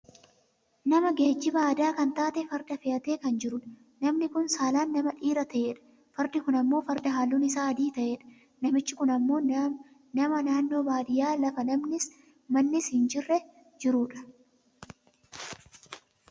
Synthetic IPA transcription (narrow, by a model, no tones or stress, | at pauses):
nɐmɐɡeːd͡ʒːɪbɐɐd̪aːkɐnt̪aːt̪ɛfɐɾd̪ɐfɪɐt̪e̞ːkɐnd͡ʒɪɾʊᶑɐ̥ | nɐmnɪkʊnsaːlaːnːɐmɐᶑiːɾɐt̪ʰɐʔeːᶑɐ̥ | fɐɾd̪ɪkʊnɐmːo̞ːfɐɾd̪ɐɦaːlːuːnɪsaːɐd̪iːt̪ɐʔeːᶑɐ̥ | nɐmɪt͡ʃːɪkʊnɐmːo̞ːn | nɐmɐnaːnːo̞ːbaːd̪ɪjaːlɐfɐnɐmnɪs | mɐnːɪshɪnd͡ʒɪrːɛ | d͡ʒɪɾuːᶑɐ̥